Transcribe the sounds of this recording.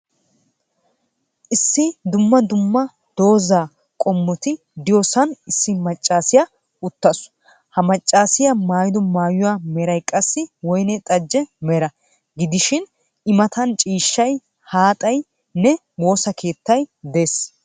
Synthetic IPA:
ʔɪsːɪd̪ʊmːɐd̪ʊmːɐ | d̪̥o̞ːzaː | kʼɔmːɔt̪ɪ | d̪ɪjɔsɐnɪsːɪmɐt͡ʃʼːaːsɪjɐ | ʊt̪ːɐs | hɐmɐt͡ʃʼːaːsɪjɐmaːjɪd̪ɔmaːjʊwaːmɛɾɐjkʼɐsːɪwɔjnɛt̪ʼɐd͡ʒːɛmɛɾɐ | ɡɪd̪ɪʃɪn | ɪmɐt̪ʰɐnt͡ʃʼiːʃːɐj | haːt̪ʼɐj | nɛ | wo̞ːsɐke̞ːt̪ːɐjd̪e̞ːs

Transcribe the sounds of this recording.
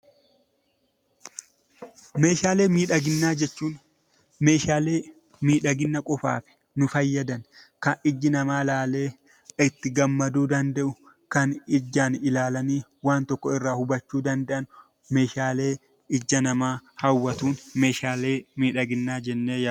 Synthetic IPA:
me̞ːʃaːle̞ːmiːᶑɐɡɪnːaːd͡ʒɛt͡ʃːuːn | me̞ːʃaːle̞ː | miːᶑɐɡɪnːɐkʼʊfa̰ːfɪ̥ | nʊfɐjːɐd̪ɐn | kɐnɪd͡ʒːɪnɐmaːlaːle̞ː | ɪt̪ːɪɡɐmːɐd̪uːd̪ɐnd̪ɐʔʊ | kɐnɪd͡ʒːaːnɪlaːlɐniːwaːnt̪ɔkːɔɪrːaːhʊbɐt͡ʃːuːd̪ɐnd̪ɐʔɐn | me̞ːʃaːleː | ɪd͡ʒːɐnɐmaːhɐwːɐt̪uːnme̞ːʃaːleːmiːᶑɐɡɪnːaːd͡ʒɛnːeːjɐ

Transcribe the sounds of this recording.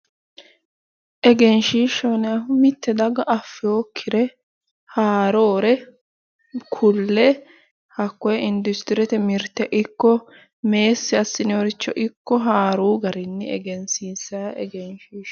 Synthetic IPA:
ʔɛɡɛnʃiːʃɔnɛɐʊmɪt̪ːɛd̪ɐɡɐʔɐfːɪjoːkʰːɪɾɛ | haːɾoːɾɛ | kʰʊlːɛ | hɐkːɔjɛɪnd̪ʊst̪ɪɾɛt̪ɛmɪɾt̪ːɛʔɪkːɔ | meːsːɪɐsːɪnɪoːɾɪt͡ʃːɔʔɪkːɔɦaːɾuːɡɐɾɪnːɛɛ̰ɡɛnsiːsaʔɛɡɛnʃiːʃ

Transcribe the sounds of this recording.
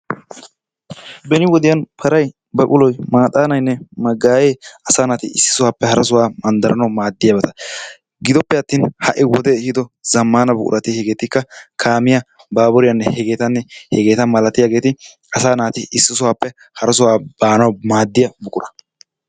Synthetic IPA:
bɛnɪwɔd̪ɪjɐnpʰɐɾɐj | bɐʔʼʊlɔjmaːt̪ʼaːnɐjnːɛmɐɡaːjeːɐsaːnaːt̪ɪɪsːɪ̥sʊwaːpːɛhɐɾɐs̬ʊwaːmɐnd̪ɐɾɐ̰nɐwmaːd̪ːɪjaːbɛt̪ɐ̥ | ɡɪd̪ɔpːɛɐt̪ːiːnhɐʔɪwɔd̪ɛhɪd̪ɔzɐmːaːnɐbʊ̰kʼʊ̰ɾɐt̪ɪhɛɡeːt̪ɪkːɐkʰaːmɪjɐ | baːbɔɾɪjɐnːɛhɛɡe̞ːt̪ɐnːɛhɛɡeːt̪ɐmɐlɐt̪ːɪjaːɡeːt̪ɪ | ɐsaːnaːt̪ɪɪsːɪsʊwaːpːɛ | hɐɾɐsʊwaːb̥aːnɐwmaːd̪ːɪjɐbʊkʼʊɾɐ

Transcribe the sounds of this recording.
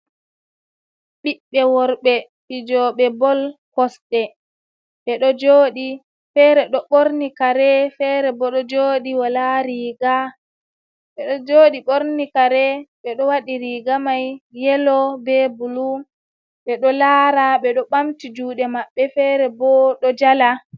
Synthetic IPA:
ɓiɓːɛwɔɾɓɛ | ɓid͡ʒɔɓɛbɔlkɔsɗɛ | ɓɛɗɔd͡ʒoːɗi | fɛːɾɛɗɔɓoɾnikaɾɛfɛɾɛbɔɗɔd͡ʒoːɗiwalaɾiɡa | ɓɛɗɔd͡ʒoːɗiɓoɾnikaɾɛɓɛɗɔwaɗiɾiɡamajjːɛlɔbɛbulu | ɓɛɗɔlaːɾaɓɛɗɔɓamtid͡ʒuːɗɛmaɓːɛfɛɾɛbɔɗɔd͡ʒala

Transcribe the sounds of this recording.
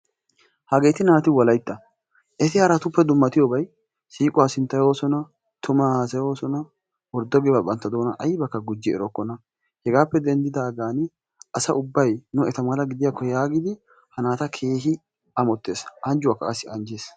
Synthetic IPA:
hɐɡe̞ːt̪ɪnaːt̪ɪwɐlɐjt̪ːɐ | ʔɛt̪ɪhɐɾɐt̪ʊpːɛd̪ʊmːɐt̪ɪjoːbɐj | siːkʼʊwaːsɪnt̪ːɐjo̞ːsɔnɐ | t̪ʊmɐhaːs̬ɐjoːsɔnɐ | wɔɾd̪ɔɡɛbɐbʼɐnt̪ːɐd̪o̞ːnɐʔɐjbɐkːɐɡʊd͡ʒːɪɛ̰ɾɔkːɔnɐ | hɛɡaːpːɛd̪ɛnd̪ɪd̪aːɡaːn | ʔɐsɐʔʊbːɐjnʊɛt̪ɐmɐlɐɡɪd̪ɪjaːkːɔjaːɡɪd̪ɪ | hɐnaːt̪ɐkʰe̞ːɦɪ | ɐmɔt̪ːeːsʔɐnd͡ʒʊwaːkːɐɐsɪʔɐnd͡ʒeːs

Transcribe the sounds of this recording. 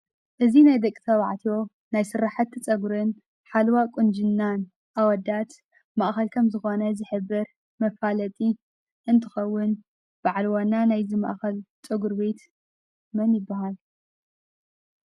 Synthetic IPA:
ʔɨzinajd̪ɐkʼːit̪ʰɐβaʕt̪ʰjo̞ | najsɨrːaħat̪ʰːɐt͡sʼɐɡuɾɨn | ħalwakʼund͡ʒɨnːan | ʔawɔd̪at̪ | maʔxɐlkʰɐmzɨxo̞nɐzɨħɨbːɐɾ | mɐfalɐt̪ʼi | ʔɨnt̪ʰɨxɐwːʊn | b̥aʕlwanːanajzima̰ʔxɐlt͡sʼɨɡuɾbet̪ | mɐnjɪbːahal

